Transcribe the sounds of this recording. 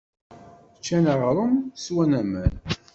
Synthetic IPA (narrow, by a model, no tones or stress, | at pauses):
t͡ʃːænəʁɾˤəmswænæmæn